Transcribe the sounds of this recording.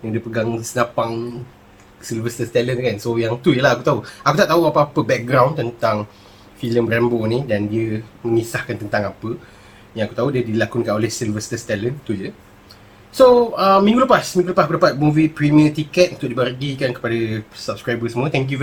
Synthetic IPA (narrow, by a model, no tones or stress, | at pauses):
jaŋdiəpəɡaŋsənapaŋ | silvəst̪əst̪ɛlənkansojaŋt̪ujəlahakut̪auakut̪aʔt̪auapaapəbɛk̚ɡɾawnt̪ənt̪aŋ | filəmbɾɛmbonidandiəmə̃ŋisahkant̪ənt̪aŋapə | jãŋakut̪audiədilakunkanolɛhsilvəst̪əst̪ɛlənt̪ujə | soəmĩŋɡuləpasmĩŋɡuləpasakulapat̪̚muvipɾimiət̪ikɛt̪̚ʔunt̪ʊʔ̚dibərɡikankə̥padəsap̚skɾajbəsəmuət̪ɛŋk̬ju